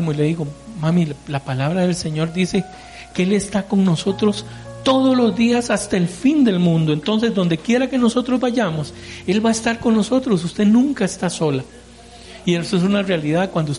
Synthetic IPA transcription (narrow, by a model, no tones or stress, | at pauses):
moile̞ðiɣo̞mamilapalaβɾaðe̞lse̞ɲo̞ɾd̪ise̞ | kee̞le̞st̪ako̞ŋno̞so̞t̪ɾo̞s | t̪o̞ðo̞zlo̞zd̪iasast̪aelfind̪e̞lmũnd̪o̞e̞nt̪o̞ns̬e̞zd̪o̞nd̪e̞kje̞ɾake̞no̞so̞t̪ɾo̞zbaʝamo̞s | e̞lβaest̪aɾko̞ŋno̞so̞t̪ɾo̞s̬ust̪e̞nũŋkaest̪aso̞la | ieses̬unarealiðaðkwand̪ous